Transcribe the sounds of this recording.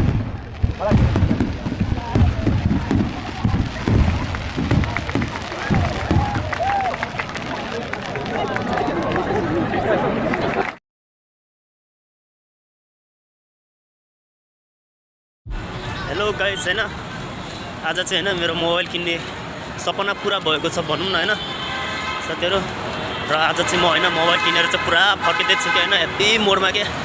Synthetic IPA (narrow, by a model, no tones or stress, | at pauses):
ɦeloɡajt͡sʰʌjnʌ | ad͡zʌt͡saiɦʌjnʌmeɾomobajlkinːesʌpʌnapuɾabʱʌekot͡sʰʌbʱʌnumnːʌɦʌjnʌ | sʌt̪eɾo | rʌad͡zʌt͡saĩmʌɦʌjnʌmobajlkineɾot͡saĩpuɾapʰʌked̪et͡sʰukeɦʌjnʌebimoɽmake